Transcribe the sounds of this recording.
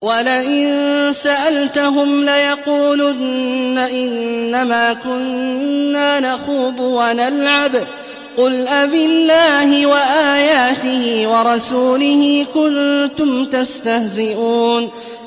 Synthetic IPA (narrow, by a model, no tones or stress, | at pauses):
walaʔɪnsaʔalt̪aɦʊmlajɑquːlunːaʔɪnːamaːkʊnː | aːnaxuːbʊwanalʕab | qʊlʔabɪlːaːhɪwaʔaːjaːt̪ɪhɪːwɑɾˤɑsuːlɪhɪkʊnt̪ʊmt̪ast̪ahzɪʔuːn